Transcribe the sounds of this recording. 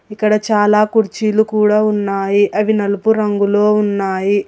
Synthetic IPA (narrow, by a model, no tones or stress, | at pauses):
ikːɐɽɐt͡ʃaːlaːkuɾt͡ʃiːlukuːɽaːunːaːjiʔɐʋinɐlupuɾɐŋɡulo̞ːunːaːji